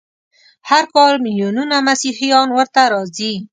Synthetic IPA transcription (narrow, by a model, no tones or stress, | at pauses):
haɾkɔlmɪljonunamasihijɔnwəɾt̪aɾɔzi